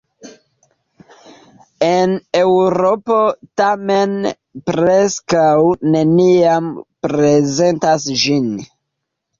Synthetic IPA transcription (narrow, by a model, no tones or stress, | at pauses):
e̞ne̞wɾo̞po̞tame̞n | pɾe̞skawne̞niampɾe̞ze̞ntasʒin